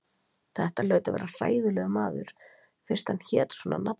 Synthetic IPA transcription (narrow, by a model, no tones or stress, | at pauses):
θɛht̪alœːɥt̪avɛ̰ːɾar̥a̰ːjðʏlɛɣʏmaːðʏɾ̥ | fɪɾ̥st̪hançɛːt̪swɔːna̰nap